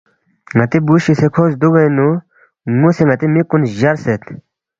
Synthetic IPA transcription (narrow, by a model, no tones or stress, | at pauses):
ŋɐt̪ibuɕisekʰoːzd̪uɡɐjnu | ŋuseŋɐt̪imikunʑɐɾset̪